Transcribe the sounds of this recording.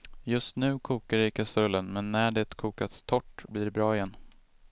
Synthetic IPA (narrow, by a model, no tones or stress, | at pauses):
jɵst̪nʉ̟ːkʰuːkaɖɪkʰasɵlːənmɛnːæɖɛt̪kʰuːkat̪ʰːɔʈːbliːɖɛbɾɑːɪjɛn